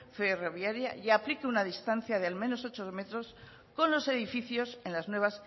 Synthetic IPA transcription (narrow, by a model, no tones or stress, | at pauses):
fe̞ro̞βjaɾjaʝaplikeunaðist̪anθjað̞ealmeno̞so̞t͡ʃo̞ðme̞t̪ɾo̞s | ko̞nlo̞se̞ðifiθjo̞se̞nlaznwe̞β̞as